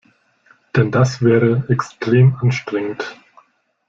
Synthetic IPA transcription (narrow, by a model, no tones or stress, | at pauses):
d̥ɛndasv̥ɛːʁəɛkstʁ̥eːmʔanʃtʁ̥ɛŋənt